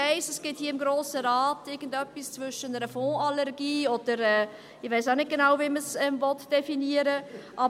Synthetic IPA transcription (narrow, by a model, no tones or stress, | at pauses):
aɪsɛsɡ̥ɪthiəɪmɡɾoːsəɾaːtɪɡən̩dœpːist͡svʏʃənəɾəfɔ̃ːɑlɛʁɡiːɔd̥əɾɛː | ɪʋɛɪsaʊnɪt̚ɡ̥enaʊwviməsɛmvɔtd̥ɛfiniəɾəʔɑ